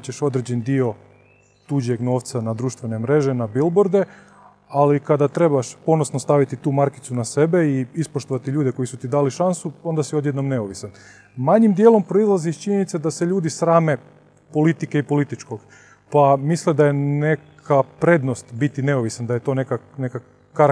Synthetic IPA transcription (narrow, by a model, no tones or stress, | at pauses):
t͡ɕeʃo̞d̪ɾed͡ʑend̪io̞ | t̪ud͡ʑe̞ɡno̞ːʋt̪sanad̪ɾuːʃt̪ʋe̞ne̞mɾe̞ʒenabilboɾd̪e̞ | alikad̪at̪ɾe̞baʃpo̞nosnost̪aʋit̪it̪uːmaɾki̥t̪sunase̞be̞iispoʃt̪o̞ʋat̪iʎuːd̪e̞ko̞jisut̪id̪aːliʃansuo̞nd̪asio̞d̪jed̪no̞mne̞oʋisan | maɲimd̪je̞ːlo̞mpɾoizlˠazit͡ʃiɲenit̪sed̪aseʎuːd̪isɾaːme̞ | po̞lit̪ikeipo̞lit̪it͡ʃko̞ɡ | pamisled̪aje̞nekʰapɾe̞d̪no̞st̪bit̪ine̞oʋisand̪aje̞t̪o̞ːnekaneka | kːa